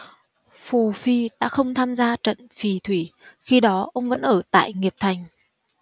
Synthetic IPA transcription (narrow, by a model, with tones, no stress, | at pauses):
fu˨˩fi˧˩ɗa̰ː˧˥xə˧wŋ͡mt̪ʰaː˧mzaː˧t͡ɕə̰˧˨nfi˨˩t̪ʰwi˧˩xi˧ɗɔ˨˦ʔə˧wŋ͡mvə̰˧˥nʔəː˧˩t̪a̰ː˧˨jŋi˨˩əp̚t̪ʰa˨˩jŋ̟